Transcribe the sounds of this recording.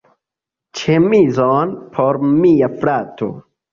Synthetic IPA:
t͡ʃemizonpʰoɾmijafɾat̪ʰo̰

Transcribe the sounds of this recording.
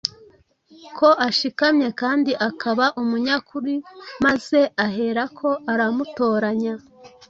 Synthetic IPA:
kʰo̞ʔaʃikamɲe̞kaːndiʔakʰaβaʔumuɲakuɾimaz̥e̞aɦe̞ɾakʰo̞ʔaɾamuto̞ːɾaɲa

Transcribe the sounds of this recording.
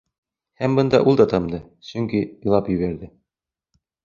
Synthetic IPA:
hæmbɤ̆nd̪ɑ̰ʔulˠd̪ɑt̪ɑmd̪ɤ | sɵŋkij̆lˠɑpjɘ̆βæɾðɘ

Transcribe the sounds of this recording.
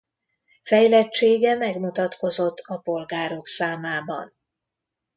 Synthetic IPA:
fɛjlɛt͡ʃːeːɡɛmɛɡmut̪ɒt̪ko̞zo̞t̪ʰːɒpo̞lɡaːɾo̞ksaːmaːbɒ̰n

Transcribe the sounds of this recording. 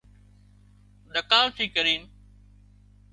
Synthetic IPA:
ɗ̪əkãːlt̪ʰiːkəɾiːn

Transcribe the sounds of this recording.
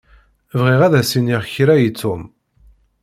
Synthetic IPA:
vʁɪʁæðæsiniʁçɾæjit͡sːʊm

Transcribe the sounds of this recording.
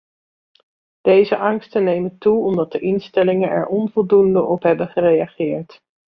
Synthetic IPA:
d̥ejzəʔɑŋstənejməntuɔmdɑt̚dəʔɪnstɛlɪŋənɛ̰ɹʔɔnvɔlˠdundəʔɔpɦɛbəχərejaχɪːɹt

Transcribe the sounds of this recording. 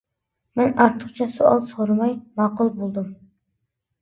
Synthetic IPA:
mɛnɑɾt̪ʰːəχt͡ʃʰɛsuɑlˠsoɾɨmɑjmɑqʊlˠbolˠd̪um

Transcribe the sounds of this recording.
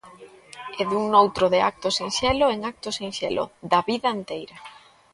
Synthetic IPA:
eðuŋnowt̪ɾoðɪak̚t̪osiŋʃɛloeŋak̚t̪osiŋʃɛ̰lʔo̰ðɐβiðɐent̪ejɾɐ

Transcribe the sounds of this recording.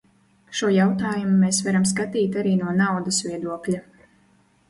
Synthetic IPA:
ʃuɔjawt̪aːjumumeːsvaɾams̬kat̪iːt̪aɾiːnuɔnawd̪ɐsvʲiɛd̪uɔklʲa

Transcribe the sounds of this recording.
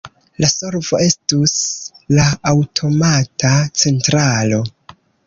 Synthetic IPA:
laso̞ɾvo̞e̞stuslaːwtʰo̞matat͡se̞ntɾalo̞

